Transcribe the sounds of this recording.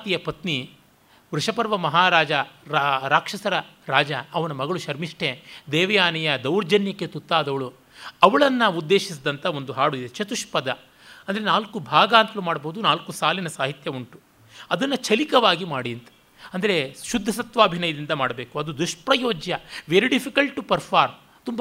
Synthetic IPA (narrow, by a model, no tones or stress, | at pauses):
at̪ijɐpɐt̪ni | ʋɾuʂɐpɐɾʋɐmɐɦaːɾaːd͡ʒɐɾɾaːkʂɐsɐɾɐ | ɾaːd͡ʒɐɐʋɐnɐmɐɡɐɭuʃɐɾmiʂʈʰe̞d̪eːʋɐjaːnijɐd̪ɐwɾd͡ʒɐnjɐkːet̪ut̪ːaːd̪ɐʋɐɭu | ɐʋɐɭɐnːɐud̪ːe̞ːʃis̬d̪ɐnt̪ʰɐo̞nd̪uɦaːɽuid̪et͡ʃɐt̪uʂpɐd̪ɐ | ɐnd̪ɐɾenaːlkubʱaːɡaːnt̪ɐlumaːɽboɦud̪unaːlkusaːlinɐsaːɦit̪jɐuɳʈu | ɐd̪ɐnːɐt͡ʃʰɐlikɐʋaːɡimaːɽiɐnt̪ɐ̥ | ɐnd̪ɐɾe̞ʃud̪ʱːɐsɐt̪ʋaːbʱinɐjɐd̪ind̪ɐmaːɽɐbe̞ːkuɐd̪ud̪uʂpɾɐjoːd͡ʒjɐʋeɾiɖipʰikɐlʈʈːupɐɾpʰaːɾ | t̪umb